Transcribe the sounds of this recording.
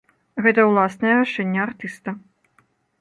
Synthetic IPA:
ɣɛt̪ɐwlˠasnɐjɛɾaʂɛnʲːɛart̪ɨst̪ɐ

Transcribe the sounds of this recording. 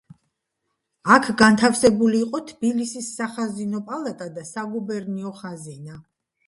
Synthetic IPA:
akʰɡant̪ʰafsɛbuliːqʼɔt̪ʰb̥ilisisːaχazinɔpʼalˠat̪ʼad̪asaɡubɛɾniɔχazina

